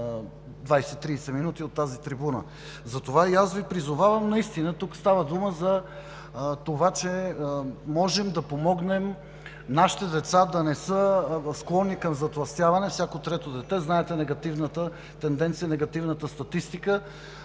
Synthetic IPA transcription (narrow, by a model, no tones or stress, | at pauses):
d̪vajsɛt̪ːɾiːsɛminut̪iot̪ːazit̪ɾibunə̰ | zɐt̪ovaiasvipɾizovavɐmnɐist̪inət̪ukst̪avəd̪uməzɐ | t̪ovat͡ʃɛ | mɔʒɛmd̪ɐpomɔɡnɛm | naʃi̥t̪ɛd̪ɛt̪sad̪ɐnɛsəsklˠɔnːikɐmzɐt̪lˠɐst̪javɐnɛfsjakot̪ɾɛt̪od̪ɛt̪ɛznaɛt̪ɛnɛɡɐt̪ivnət̪ə | t̪ɛnd̪ɛnt̪sijənɛɡɐt̪ivnət̪əst̪ɐt̪ist̪ikə